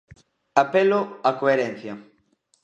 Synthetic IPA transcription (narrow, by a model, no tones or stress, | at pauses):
apelʊakoeɾɛn̟θjɐ